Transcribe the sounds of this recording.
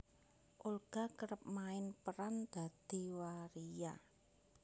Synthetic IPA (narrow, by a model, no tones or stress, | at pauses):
ʔulɡ̥akəɾəp̚maɪnpəɾand̪̥a̤d̪̥i̤waɾija